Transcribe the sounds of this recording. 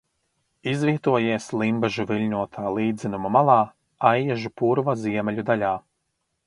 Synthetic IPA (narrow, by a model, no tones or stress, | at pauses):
izviɛt̪uɔjiɛslˠimbɛʒuvilʲɲʲuɔt̪ʰaːlˠiːd̪zinumamalˠɑː | ajjɛʒupuɾvaziɛmɛlʲud̪alʲaː